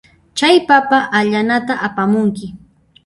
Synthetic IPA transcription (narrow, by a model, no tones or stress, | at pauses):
t͡ʃajpapaʔaʎanat̪aʔapamʊŋkɪ